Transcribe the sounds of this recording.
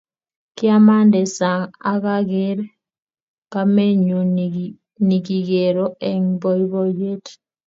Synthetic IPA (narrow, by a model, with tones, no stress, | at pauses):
kɪ˦a˦ma˦ndɛ˨sa˨ŋa˨ka˦ɡɪ˦ɾ | ka˦me˦ɲu˨ | ni˨ɡi˨ɡe˨ɾo˦ʔe˦ŋbɔ˦i˦bo˦je˦t